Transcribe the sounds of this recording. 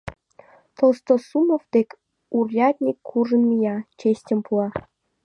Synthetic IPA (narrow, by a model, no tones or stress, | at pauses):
t̪olst̪osumovd̪̥ekʲ | urjɑt̪ʲnʲikʰːuʒə̆nmijɑt͡ɕesʲtʲə̆mpʰuɑ